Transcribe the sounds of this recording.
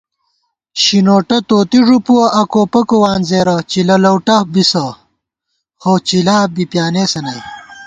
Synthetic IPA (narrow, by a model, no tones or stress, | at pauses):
ɕinoːʈɐt̪oːt̪iʐupuwɐʔɐkoːpɐkowaːnzeːɾɐt͡ɕilɐlɐwʈɐbisɐ | xot͡ɕilaːbipjaːneːsɐnɐ